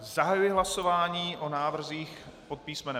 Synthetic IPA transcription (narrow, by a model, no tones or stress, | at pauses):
zaɦajujɪɦlaso̞vaːɲiːʔonaːvr̩ziːxpot̪̚piːsmɛnɛ